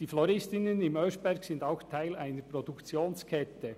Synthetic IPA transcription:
d̥iːflɔɾɪstɪnənɪmœːsb̥ɛɾɡsɪndaʊxtʰaɪlaɪnəɾpɾɔdukt͡sjoːnskʰɛtə

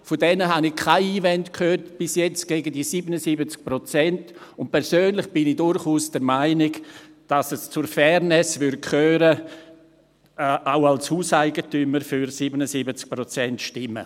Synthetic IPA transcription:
fodɛnəɦanɪçkʰːaɪiːvɛntkhøːtb̥ɪsjɛt͡sɡ̥eːɡədisiːbənəsibət͡sk̚pɾot͡sɛntʊnt̚pʰɛɾsøːnlɪχb̥ɪnidʊɾχuːsd̥ɛɾmaɪnɪɡ | d̥asəst͡sʊɾfɛɾnɛsvʏɾ̚kʰøːɾə | ʔaʊalshuːsaɪɡətyməɾfyɾsibənəsibət͡sk̚pɾot͡sɛntʃtɪmːə̰

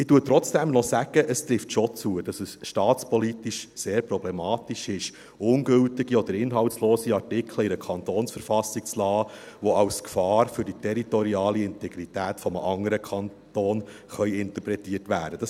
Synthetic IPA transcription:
ɪtuːət̪ɾɔt͡sd̥ɛmnɔsæɡ̥əʔəst̪ɾɪftʃot͡suːəd̥ɑsəsʃtɑːtt͡spɔlitiʃseːɾpɾɔblɛmɑːtiʃɪʃ | ʊnɡɵltɪɡiɔd̪əɾɪnɦɑwtsloːsiɑrtɪkʰləɪɾəkʰɑnt̪oːnsfəɾfɑsɪk̚t͡slɑːʋɔɑwskfɑːɾfʏɾditʰɛɾitɔɾiɑːliɪntɛɡɾitæːtfɔməʔɑŋəɾəkʰɑnt̪oːnχœʏɪnt̪əpɾɛtiːətʋæːd̥əd̥ɑs

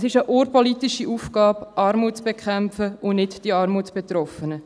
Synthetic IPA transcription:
sɪʃəʔoːɾpɔlitiʃiʔuːfɡ̥ɑːpʔɑːɾmuːtt͡sb̥ekʰχæmfəʊnɪtd̥iɑːɾmuːtsb̥et̪ɾɔfənə

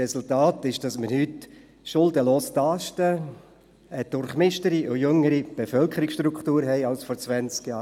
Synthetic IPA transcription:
ɛsʊltaːtɪʃd̥ɑsməɾhyt | ʃʊldəloːstɑʃtə | əd̥ʊɾχmɪʃtəɾiʔʊjøŋːəɾib̥efœlkʰəɾɪksʃtɾukχtuːɾɦɛɪɑlsfɔɾt͡sʋænt͡skjɑː

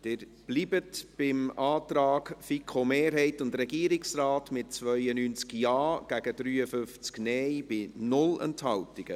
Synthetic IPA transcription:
d̥̪ɪːɾ | b̥liːbətb̥ɪmʔɑːt̪ɾɑːkfikχomeːɾɦɛɪtʊndɾɛɡiːɾɪksraːtmɪt̚t͡svœʏənyːnt͡skjɑːɡ̥æɡ̥əd̥ɾyːəfʏft͡sknɛːjb̥ɪnʊlɛ̰nthɑltɪɡ̥ə

